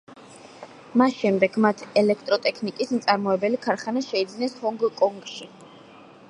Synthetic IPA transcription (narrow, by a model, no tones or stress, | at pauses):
masʃɛmd̪ɛɡmat̪ʰɛlɛkʰt̪ʼɾɔt̪ʼɛkʰnikʼisnt̪sʼaɾmɔɛbɛlikʰaɾχanaʃɛid̪znɛshɔŋɡkʼɔŋɡʃi